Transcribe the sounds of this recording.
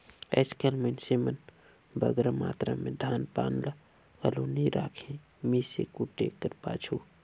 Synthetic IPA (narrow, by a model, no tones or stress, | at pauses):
ɛ̰skelmənsemən | bə̰ɡɾama̰ːt̪ɾa̰mẽd̪ʱaːnpa̰ːnla | kəloːniɾʔaːkʰẽ | miːsḛkuʈːḛkəɾpa̰ːt͡ʃʰu